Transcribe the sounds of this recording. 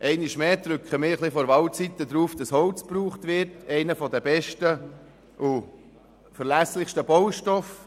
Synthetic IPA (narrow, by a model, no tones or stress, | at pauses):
ʔɛɪnɪʃmeːt̪ɾʏkχəmɪːɾχlɪfɔɾʋɑwtt͡sit̪ːəd̪ɾuːfd̥ɑshɔwt͡spruːχtʋɪɾtɛɪnəfɔdəbɛʃtə | ʔʊ | fəɾlæslɪχʃtəbɔʊʃtɔf